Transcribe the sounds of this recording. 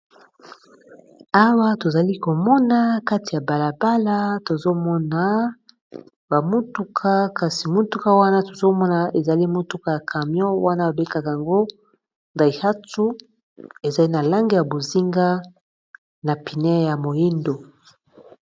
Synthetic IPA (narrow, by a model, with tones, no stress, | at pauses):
a˦wa˦to˨za˨li˦ko˨mɔ˦na˦ka˦ti˨ja˨ba˨la˨ba˦la˦to˨zo˦mɔ˦na˨ | ba˨mu˦tu˦kʰa˦ka˨si˨mu˦tu˦ka˦wa˦na˦to˨zo˦mɔ˦na˨e˨za˨li˦mo˦tu˨˦ka˦ja˨kʰa˨mjɔ̃˦wa˦na˦ba˨be˦ka˨ka˨ŋɡo˦ | nda˨i˨ha˦tu˦ | e˨za˨i˦na˨la˦ŋɡe˦ja˨bo˨zi˦ŋɡa˦ | na˨pi˨nɛ˦ja˨mo˨ji˦ndo˨